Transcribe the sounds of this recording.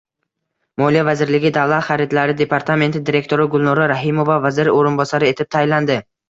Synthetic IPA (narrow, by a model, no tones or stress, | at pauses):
mɒlijavazɪɾlɪɡʲɪd̪avlˠat̪χaɾɪd̪laɾɪd̪e̞pʰaɾt̪ʰame̞nt̪ʰɪd̪iɾe̞kʲt̪ʰo̞ɾɪɡʊlˠnɒɾaɾaɦɪmo̞vavazɪɾɪoɾɪnbɒsaɾɪe̞t̪ʰɪp̚t̪ʰajland̪ɪ